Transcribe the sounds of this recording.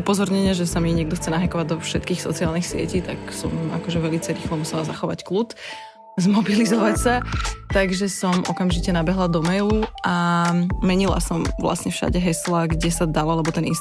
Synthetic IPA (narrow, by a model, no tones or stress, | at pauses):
upɔzɔɾɲɛɲɛʒɛsamiɲɪɛɡd̪ɔxt͡sɛnaɦɛkɔʋaɟ̚d̪ɔfʃɛt̪kiːxsɔt͡siaːlnixsɪɛ̰ciːt̪a̰ksɔma̰kɔʒɛʋɛlit͡sajɾiːxlɔmusɛlazaxɔʋacklut̪ | zmɔbilizɔʋacsat̪aɡʒɛsɔmʔɔkamʒicɛnabɛɦlad̪ɔmɛuamɛɲila̰sɔmʋla̰sɲɛfʃa̰ɟɛɦɛslaɡɟɛsad̪allɛbɔt̪ɛnins